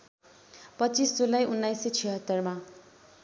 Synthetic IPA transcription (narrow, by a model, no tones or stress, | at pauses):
pʌt͡sisd͡zulːajunːajset͡sʰiɦʌt̪ːʌrma